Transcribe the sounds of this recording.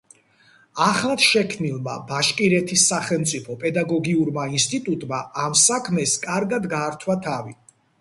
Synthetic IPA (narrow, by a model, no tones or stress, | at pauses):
aχlˠat̪ʃɛkʰmnilˠma̰baʃkʼiɾɛt̪ʰisːaχɛlˠmt̪sʼipʰɔpʼɛd̪aɡɔɡiuɾmainst̪ʼit̪ʼut̪ʼmaamsakʰmɛskʼaɾɡad̪ɡaːɾt̪ʰwat̪ʰavi